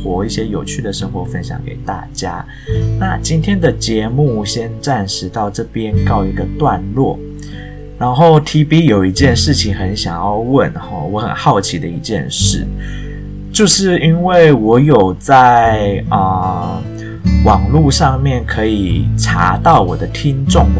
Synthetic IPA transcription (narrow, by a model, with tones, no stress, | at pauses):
xwɔ˧˥i˥˩ɕjɛ˥jo˨˩ʊt͡ɕʰy˥˩d̪ə˩ʂə˥ŋxwɔ˧˥fə˦nɕjɑ̰˨˩ŋkḛ˨˩ɪt̪a̰˥˩t͡ɕja̰˥ | na̰˥˩t͡ɕi˥nt̪ʰjɛ˥nd̪ə˨t͡ɕjɛ˧˥˦mu˥˩ɕjɛ˥nʈ͡ʂa˥˩nʂɻ̩˧˥t̪ɑ˥˧ʊʈ͡ʂɤ˥˩pjɛ˦nkɑ˥˩ʊi˧˥ɡə˧t̪wa˥˧nlwɔ˥˩ | ɻa˧˥nxo˥˩ʊt̪ʰi˧˥pi˥jo˨˩ʊi˧˥t͡ɕjɛ˥˧nʂɻ̩˥˩t͡ɕʰi˨ŋxə˧˦nɕjɑ˨˩ŋjɑ˥˧ʊwə˥˨˩nxɔ̰˥˧wɔ˧˥xə̰˨˩nxɑ˥˩ʊt͡ɕʰi˨˥d̪ə˧i˧˥t͡ɕjɛ̰˥˧nʂɻ̩˥˩ | t͡ɕjo˥˧ʊʂɻ̩˥˩i˥nwe˥˩ɪwɔ˧˥jo˨˩ʊt͡sa˥˩ɪɪə˨ | wɑ˨˩ŋlu˥˧ʂɑ˥˧ŋmjɛ˥˩nkʰɤ˧˥i˨˩ʈ͡ʂʰa̰˧˥t̪ɑ˥˩ʊwɔ˨˩d̪ə˦t̪ʰi˥ŋʈ͡ʂʊ˥˩ŋ